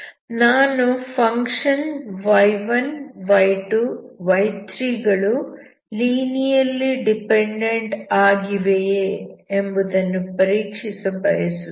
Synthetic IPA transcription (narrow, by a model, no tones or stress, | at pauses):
naːnupʰɐŋkʂɐnʋɐjʋɐnʋɐjʈuʋɐjt̪ɾiːɡɐɭu | liːnijɐlːiɖipeɳɖeɳʈaːɡiʋejeembud̪ɐnːupɐɾiːkʂisɐbɐjɐsu